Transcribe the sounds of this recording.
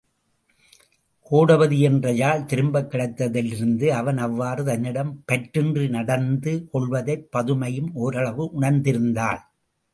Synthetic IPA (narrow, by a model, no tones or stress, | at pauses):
koːɽɐʋɐðɯɛndrɐjaːɭt̪ɪɾɯmbɐkːɪɽɐɪt̪ːɐðɪlɪɾɯnd̪ɯɐʋɐnɐʋːaːrɯt̪ɐnːɪɽɐmpɛʈrɯndrɯnɐɽɐnd̪ɯkɔɭʋɐðɐɪpːɐðɯmɐjɯmoːɾɐɭɐʋɯʔʊɳɐɾnd̪ɪɾɯnd̪aːɭ